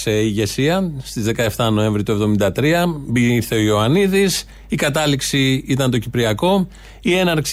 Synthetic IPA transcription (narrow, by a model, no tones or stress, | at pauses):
seiʝe̞siɐst̪izðe̞kɐe̞ft̪ɐno̞e̞ɱvɾit̪ue̞vðo̞mind̪ɐt̪ɾiɐbiθe̞o̞ioɐniðis | ikɐt̪ɐliksiit̪ɐnt̪̬o̞cipɾiɐko̞ | ie̞nɐɾks